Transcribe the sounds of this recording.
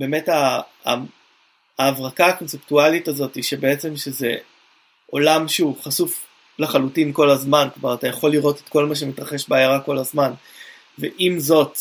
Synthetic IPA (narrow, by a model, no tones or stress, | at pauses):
be̞ːme̞ta̰ | vʁakaːko̞nseptualitazo̞tiʃebe̞et͡se̞mʃeze̞ | ʔo̞lamʃuuχasuf | laχalutinko̞lazmanklovaʁatajaχo̞lːiʁo̞tetko̞lmaʃ̬e̞mitʁaχe̞ʃbeajaʁako̞lazman | vḛʔimzo̞t